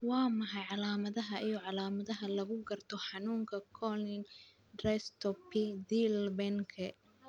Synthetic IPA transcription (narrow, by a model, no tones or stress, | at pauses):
wɑːmɑħɑjʕɑlaːmɐðɐɦɐʔijɔʕɑlaːmɐðɐɦɐlɐɣʊɡɐrt̪ʰɔħɑnuːŋkʰɐkʰɔlɪn | d̪rɛst̪ʰɔpʰid̪ilbɛŋkʰɛ